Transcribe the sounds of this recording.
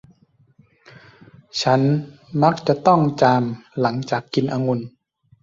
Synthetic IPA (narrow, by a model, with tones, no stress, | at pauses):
t͡ɕʰa˦˥n | ma˦˥k̚t͡ɕa˨˩ʔt̪ɔ˥˩ŋt͡ɕaː˧mla˩˦ŋt͡ɕaː˨˩kːi˧nʔaː˧ŋu˧n